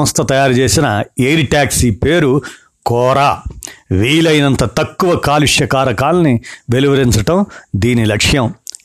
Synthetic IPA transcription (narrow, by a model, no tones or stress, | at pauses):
ɐst̪ʰɐt̪ɐjaːɾut͡ʃe̞ːsinɐejɾiʈaːksipeːɾu | kɔːɾaːʋiːlɐjnɐnt̪ɐt̪ɐkːuʋɐkaːliʂjɐkaːɾɐkaːlɐniʋe̞luʋɐɾiɲt͡ʃɐʈɐmd̪iːnilɐkʂjɐm